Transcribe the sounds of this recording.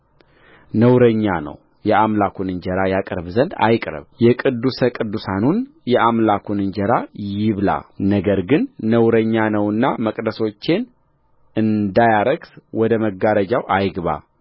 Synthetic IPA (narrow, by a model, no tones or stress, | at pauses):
nəwɾəɲːanə̰w | jɛʔamlakʰunɨɲd͡ʒəɾajakʼɨɾβzənd̪a̰jkʼɾə̰βjɛkʼɨd̪ːusəkʼɨd̪ːusanun | jɛʔamlakʰunɨɲd͡ʒəɾajɪβla̰nəɡəɾɡɨnːəwɾəɲːanəwɨnːaməkʼd̪əso̞t͡ʃːe̞n | ɨnd̪ajaɾəɡswɔd̪əməɡaɾəd͡ʒawʔajɡβa̰